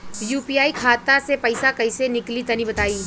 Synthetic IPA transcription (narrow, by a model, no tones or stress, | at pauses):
juːpiaːikʰaːt̪asepɐɪsakɐɪsenɪklit̪ɐnibɐt̪aːiː